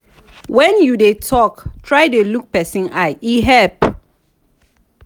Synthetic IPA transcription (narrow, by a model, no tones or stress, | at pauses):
wɛ̃njudetʰɔktʰɹajdeluk̚pɛsĩnajiɦɛp